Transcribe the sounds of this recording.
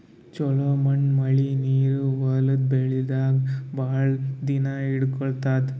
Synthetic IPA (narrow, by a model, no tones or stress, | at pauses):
t͡ʃɔlomɐɳmɐɭiniːɾuʋɐːlɐd̪̚beɭid̪aːɡbaːɭd̪inaiɽkɔɭt̪aːt̪